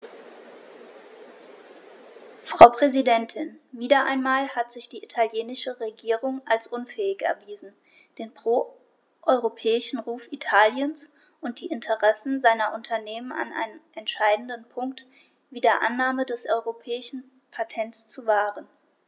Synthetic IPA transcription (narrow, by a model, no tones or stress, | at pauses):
fʁ̥aʊpʁ̥ɛzidɛntʰɪnviːdɐʔaɪnmaːlhatz̥ɪçd̥iːʔitʰaljeːnɪʃəʁeɡiːʁʊŋʔalsʔʊnfɛːɪçɛ̰ɐviːzn̩ | d̥eːnpʁ̥oː | ʔɔʏʁopʰɛːɪʃn̩ʁuːfʔitʰaːljəns | ʔʊnt̚d̥iːʔɪntʰəʁɛsn̩zaɪnɐʔʊntʰɐneːməna̰nʔa̰ɪnənʔɛntʃaɪdn̩dənpʰʊŋk̚t | v̥iːdeːɐʔanːaːmədɛsʔɔʏʁopʰɛːɪʃn̩ | pʰatʰɛntst͡suvaːʁən